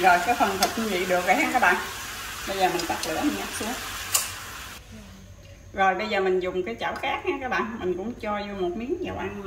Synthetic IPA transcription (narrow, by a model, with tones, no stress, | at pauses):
zo˨˩jka˨˦fə˨˩nt̪ʰɨ˨˩k̚ɲ˧˦ɲḭ˧˨ɗɨ˨˩ək̚va˨˩jhaː˧kaː˦˥k̚ɓa̰ː˧˨nɓə˧jzəː˨˩mï˨˩ŋ̟t̪ə˦˥k̚lɨ̰˧˩˥əm˨˧˩ɲa˦˥t̚su˨˦əŋ | zo˨˩jɓə˧jzəː˨˩mï˨˩ŋ̟zʊ˨˩ŋ͡mkaː˨˦jt͡ɕa̰ː˧˩wxaː˦˥k̚haː˧ŋkaː˦˥k̚ɓa̰ː˧˨nmï˨˩ŋ̟kʊ̰˧˥ŋ͡mt͡ɕɔ˧zu˧mo˨˩t̚mi˨˦əŋɲa˨˩wʔa˧n˧